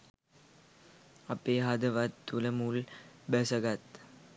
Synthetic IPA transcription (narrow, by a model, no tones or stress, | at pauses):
ɐpːeːɦɐd̪ɐʋɐt̪ːulɐmulbɛsɐɡɐt̪